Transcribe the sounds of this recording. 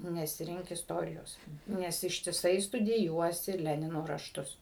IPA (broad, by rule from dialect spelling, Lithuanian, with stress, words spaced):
nʲɛsʲɪˈrʲɪŋk ɪsˈtoːrʲɪjoːs ˈnʲɛs ɪʃʲtʲɪˈsɐɪ stʊdʲɪˈjuɔsʲɪ ˈlʲæːnʲɪnoː rɐʃˈtʊs